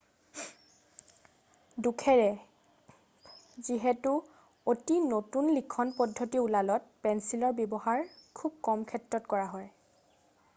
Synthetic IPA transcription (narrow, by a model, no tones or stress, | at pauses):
dukʰɛɹɛ | ziɦɛtu | otinotunlikʰɔnpɔdʱːotiulalɔt̚pɛnsilɔɹbjɔbɔhaɹkʰub̚kɔmkʰɛtɹɔtkɔɹaɦɔj